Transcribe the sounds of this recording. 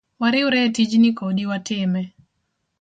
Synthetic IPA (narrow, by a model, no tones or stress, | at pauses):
waɾɪʊɾɛtid͡ʒnikodiwatɪmɛ